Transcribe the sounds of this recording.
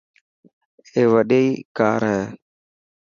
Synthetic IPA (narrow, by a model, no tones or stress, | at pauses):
eːʋəɗeiːka̰ːɾɦɛ̃ː